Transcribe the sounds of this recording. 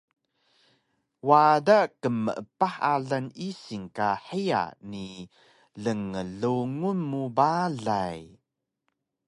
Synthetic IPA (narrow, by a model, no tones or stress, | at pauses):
wadakəmːəʔəpaħa̰ɮanisiŋkaħija̰ni | ɮəŋəɮuŋunmubaɮaj